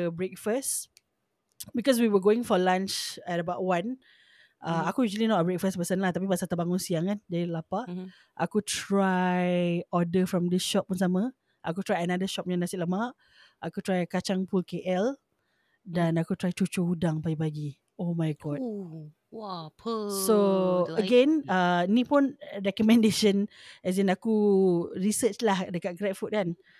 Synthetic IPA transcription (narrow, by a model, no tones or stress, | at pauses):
bɹek̚fəs | bikɔs̬wiwəɡoɪ̃ŋfɔlãnt͡ʃɛɾəbaʊʔwãn | ʔaakujuʒlinɔtəbɹek̚fəspəsənlaht̪ap̬ipasat̪əbaŋunsiaŋkand͡ʒadilapa | ʔa̰kutʰɹajɔdəfɹɔ̃mdisʃɔp̚ːunsamə̃ | ʔakut̪ɾajənadəʃɔp̚nanasɪʔ̚ləma | ʔakutɾajkat͡ʃaŋpulkeʔɛl | danakut̪ɾajt͡ʃut͡ʃuudaŋpaɡipaɡi | omajɡɔt̚ | w | soəɡɛnəinipunɹɛkɔmɛ̃ndeʃənɛz̬ɛnakuɹisət͡ʃlahdəkat̚ɡɾɛt̚fut̚kan